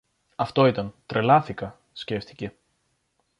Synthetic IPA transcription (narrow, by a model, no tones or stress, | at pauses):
ɐft̪o̞it̪ɐnt̪ɾe̞lɐθikɐ | sce̞ft̪i̥ce̞